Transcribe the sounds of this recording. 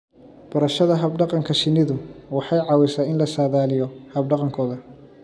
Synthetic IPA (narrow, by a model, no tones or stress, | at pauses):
b̥ɐɾɐʃɐðɐɦɐbɖɑqɑŋkʰɐʃɪnːɪðʊwɑħɑjʕɑːwɛsaːɪnlɐsaːðaːlɪjɔhɐbɖɑqɑŋkʰɔːðɐ